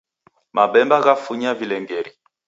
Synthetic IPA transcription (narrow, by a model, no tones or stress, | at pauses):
mabɛmbaɣafuɲavilɛŋɡɛɾi